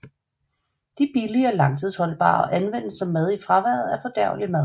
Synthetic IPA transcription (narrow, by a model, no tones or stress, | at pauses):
d̥ib̥iliəɒlɑ̈ŋt͡sʰð̞̰ˠshɒ̽lb̥ɑ̰̈ːʔænʋen̰əsːɒ̽mːæð̞ˠifʁɑ̈ʋæɐ̰ð̩ˠæɐfɒ̽d̥æɐ̰ʊlimæðˠ